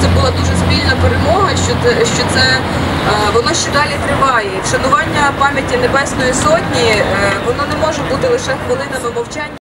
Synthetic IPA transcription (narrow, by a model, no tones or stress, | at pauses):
t̪sɛbʊlˠɑd̪uʒɛspʲilʲnɐpeɾemɔɦɐʃt͡ʃɔt̪sɛ | ʋɔnɔʃt͡ʃɛd̪ɑlʲit̪ɾɪʋɑjɛiʃɐnʊʋɑnʲːɐpɑmʲjɐtʲinebɛsnɔjisɔtʲnʲiʋɔnɔnɛmɔʒɛbut̪ɪlˠɪʃɛxʋelˠɪnɐmɪmɐwt͡ʃɑnʲː